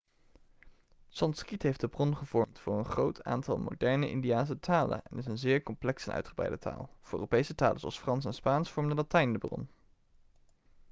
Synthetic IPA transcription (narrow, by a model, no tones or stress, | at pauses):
sɑnskitɦejfdəbrɔnχəv̥ɔɹmtfʊːɹənχrowtʰa̰ːntɑ̰lˠmo̰dɛɹnəʔɪ̰ndiaːns̬ətʰaːlə̰nɛ̰nɪs̬ənzɪːɹkɔmplɛksɛnʔœ̰ɥtχəbrɛ̰jdətʰa̰ːlˠv̥ʊːø̰ːropejsəta̰ːlˠəzoɑ̰lˠsfrɑnsɛnspaːnsfɔɹmdəlatɛjndəbrɔ̰n